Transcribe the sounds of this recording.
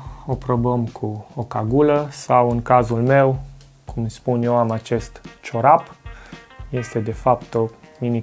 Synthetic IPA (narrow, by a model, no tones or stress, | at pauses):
o̞pɾo̞bəmkʰuokaɡuləsawɨŋkazulme̞w | kʰumspunjewamat͡ʃe̞st̪t͡ʃo̞ɾap | je̞st̪e̞d̪e̞fapt̪o̞mini